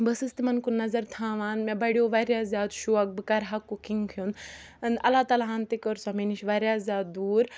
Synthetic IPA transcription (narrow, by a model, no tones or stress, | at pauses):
bəsɨst̪imɐnkunːɐzɐɾt̪ʰãːʋaːnmebɐɽijoʋaɾʲjaːzjaːd̪ʃuɐk̚bɨkaɾɦakːukiŋɡkʰjunɐnɐ̰laːt̪alaɦaːnt̪ikəɾsɔmeniʃʋaːɾʲjaːzʲjaːd̪d̪uːɾ